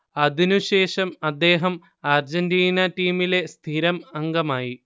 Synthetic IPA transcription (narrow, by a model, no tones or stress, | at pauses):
ɐðinuɕe̞ːʂɐmɐd̪ːe̞ːɦɐm | aːrd͡ʑɐndiːnɐtiːmile̞st̪ʰiɾɐmɐŋɡɐmaːji